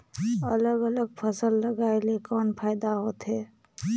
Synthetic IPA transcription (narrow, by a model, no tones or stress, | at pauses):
ələɡələɡpʰəsəlːəɡaːelekɔːnpʰaːɪd̪aɦoːt̪ɦeː